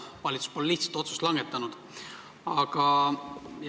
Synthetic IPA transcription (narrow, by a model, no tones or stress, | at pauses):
vɑlʲit̪su̥spo̞lliht̪sɑ̥t̪o̞t̪su̥st̪lɑŋɡ̥et̪ːˑɑnud̪̥ | ɑɡ̥ɑ | j